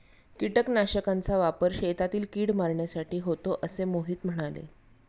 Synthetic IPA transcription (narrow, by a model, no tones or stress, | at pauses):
kiʈəknaɕəkãnt͡saʋapəɾɕet̪at̪iːlkiːɽmaɾɳjasaʈiːɦot̪oʔəsemoɦiːt̪m̤əɽ̃alḛ